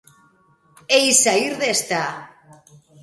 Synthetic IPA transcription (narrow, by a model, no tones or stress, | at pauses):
ejsaiɾðest̪a